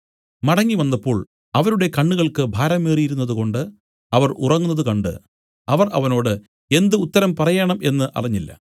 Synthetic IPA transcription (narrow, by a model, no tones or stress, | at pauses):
mɐɽɐŋːiʋɐnːɐpːo̞ːɭ | ɐʋɐɾuɽe̞kɐɳːuɣɐɭkɨbʱaːɾɐmːeːrijiɾunːɐðuko̞ɳɖɨ | ɐʋɐrʔṵrɐŋːunːɐðukɐɳɖɨ̰ | ɐʋɐrʔɐ̰ʋɐno̞ːɽɨ | e̞nd̪ɨut̪ːɐɾɐmpɐrɐjaːɳɐme̞nːɨʔɐ̰riɲːilːɐ̰